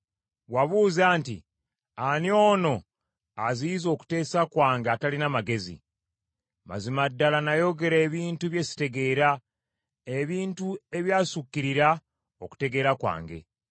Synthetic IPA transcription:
waβuːzaːnti | anio̞ːno̞ | aziːzo̞ːku̥te̞ːsakwaːŋɡeatalinamaɡe̞zḭ | ma̰zimadːalanajo̞ɡe̞ɾe̞ːβiːntuβje̞si̥te̞ɡe̞ːɾa | eβiːntue̞βjaːsukːiɾiɾa | o̞ku̥te̞ɡe̞ːɾakwa̰ːŋɡe̞̰

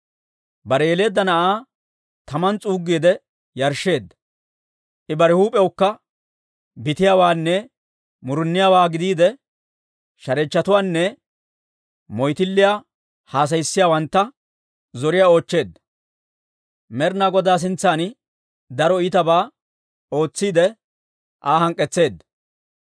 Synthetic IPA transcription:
bɐɾɛjɛle̞ːd̪ːɐnɐʔaː | t̪ɐmɐnt͡sʼuːɡːeːd̪ɛ | jɐɾʃːe̞ːd̪ːɐ | ʔɪbɐɾɛhuːpʼɛwʊkːɐ | bɪt̪ɪjaːwaːnːɛ | mʊɾʊnːɪjaːwaːɡɪd̪iːd̪ɛ | ʃɐɾɛt͡ʃːɐt̪ʊwaːnːɛ | mɔjt̪ɪlːɪjaː | haːs̬ɐjsːɪjaːwɐnt̪ːɐ | zɔɾɪjao̞ːt͡ʃːe̞ːd̪ːɐ̥ | mɛɾnaɡɔd̪aːs̬ɪnt͡sːaːn | d̪ɐɾɔiːt̪ɐbaː | o̞ːt͡sːiːd̪ɛ | ʔaːhɐŋkʼːɛt͡sːe̞ːd̪ːɐ̥

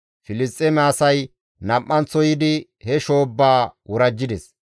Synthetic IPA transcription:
fɪlɪst̪ʼːemɛːsɐj | nɐmːɐnt͡sːɔjɪd̪ɪ | hɛʃo̞ːbːaːwʊɾɐd͡ʒːɪd̪ɛs

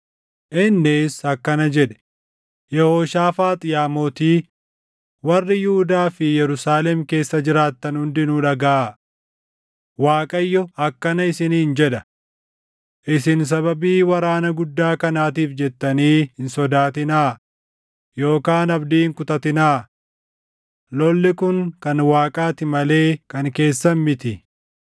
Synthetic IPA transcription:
ʔɪnːesɐkːɐnɐd͡ʒɛᶑɛ̥ | jɛhoːʃaːfaːt̪ʼɪjaːmoːt̪iː | wɐrːɪjʊhʊd̪aːfɪjɛɾʊsaːlɛmke̞ːsːɐd͡ʒɪɾaːt̪ːɐnhʊnd̪ɪnuːᶑɐɡa | waːkʼɐjːɔɐkːɐnɐɪsɪniːnd͡ʒɛᶑɐ | ʔɪsɪns̬ɐbɐbiːwɐɾaːnɐɡʊd̪ːaːkɐnaːt̪̬iːfd͡ʒɛt̪ːɐniːhɪnsɔd̪aːt̪ɪnaː | jo̞ːkaːnɐbd̪iːŋkʊt̪ɐt̪ɪnaː | lɔlːɪkʊŋkɐnwaːkʼaːt̪ɪmɐle̞ːkɐŋke̞ːsːɐmɪt̪ɪ

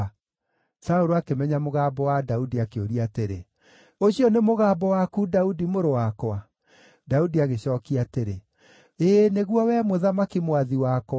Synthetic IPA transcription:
saoɾoakemɛɲamoɣaːbɔwadaudiakeoɾiateɾḛ | oɕijɔnemoɣaːbɔwakuːdaudimoɾowakɔa | daudiaɣeɕɔːkiateɾe | eːneɣwɔwɛmoðamakimoaðiwak

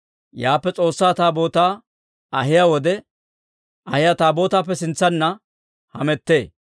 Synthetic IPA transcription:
jaːpːɛt͡sʼo̞ːsːaːt̪aːbo̞ːt̪aː | ɐɦɪjawɔd̪ɛ | ʔɐhɪjat̪aːbo̞ːt̪aːp̬ːɛsɪnt͡sːɐnːɐ | hɐ̰mɛt̪ːe̞ː

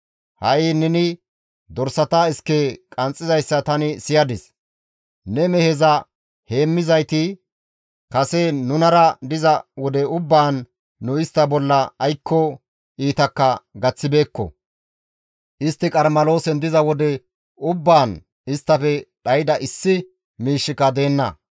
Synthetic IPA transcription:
hɐʔɪnɛnɪ | d̪ɔɾsɐt̪aɪskːekʼɐnt͡sʼːɪzɐjsːɐt̪ɐnɪsɪjɐd̪ɪs | nɛmɛhɛzɐ | he̞ːmːɪzɐjt̪ɪ | kɐsɛnʊnɐɾɐd̪ɪzɐwɔd̪ɛʊbːaːnː | ʊɪst̪ːɐbɔlːɐːjkʰːɔ | iːt̪ɐkːɐɡɐt͡sːɪbe̞ːkːɔ̰ | ʔɪst̪ːɪkʼɐɾmɐlo̞ːsɛnd̪ɪzɐwɔd̪ɛ | ʊbːaːn | ɪst̪ːɐfɛᶑɐjɪd̪ɐʔɪsːɪ | miːʃːɪkːɐd̪e̞ːnːɐ̰

